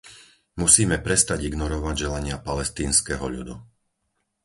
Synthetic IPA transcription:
musiːmɛpɾɛst̪aɟiɡnɔɾɔʋaɟʒɛlaɲɪapalɛst̪iːnskɛɦɔ̰ʎṵd̪ṵ

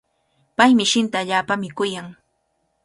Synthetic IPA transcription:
pajmɪʃɪnt̪aːʎaːpamɪkʊjaŋ

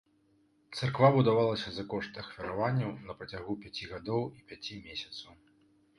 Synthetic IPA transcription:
t̪sarkvabud̪avalˠɐsʲɐzɐkɔʂt̪ɐxfʲɐɾavanʲːɐwnɐpɾɐt͡sʲaɣupʲat͡sʲiɣad̪ɔwipʲat͡sʲimʲesʲɐt̪sɐw

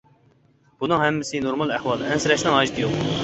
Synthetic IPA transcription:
b̥unɨŋɦɛmːɪsɪnoɾmɑlˠæhwɑːlˠɨɛnsɪɾɛʃnɪŋɑːʒit̪ʰɨjoq

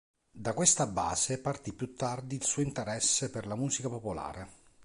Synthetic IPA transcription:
d̪akwest̪aba̰ːzepart̪ipːjut̪ːard̪iːlsuːoint̪eɾɛsːeperlamuːsikapopola̰ːɾe

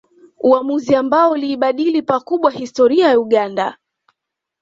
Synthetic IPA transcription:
uamuziambaɔuliːɓaɗilipakuɓwahistɔɾiajauɠanda̰

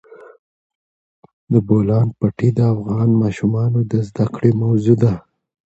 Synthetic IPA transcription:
d̪əbolɑnpaʈid̪əafɣɑnmɑʃumɑnod̪əzd̪akɽemawzud̪a

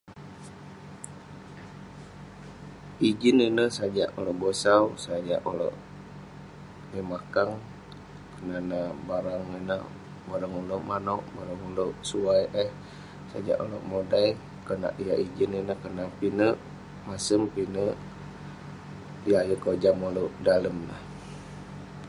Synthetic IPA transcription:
id͡ʒininəsad͡ʒaʔoloʔbosawsad͡ʒa̰ʔolo̰ʔ | imakaŋ | kənanabaɾaŋinə̰ | baɾaŋuloʔmanoʔbaɾaŋuloʔsuajʔəh | sa̰d͡ʒa̰ʔolo̰ʔmodaj | kəna̰ʔijaʔid͡ʒininəhkənapinəʔ | masəmpinəʔ | ijajəkod͡ʒamoloʔdaləmna̰h

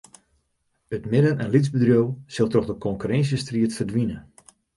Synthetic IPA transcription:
ətmɪdənɛnlizbədrjowsɪlˠtɔχdəkɔŋkyɾɛnsjəstriətfərdʋinə

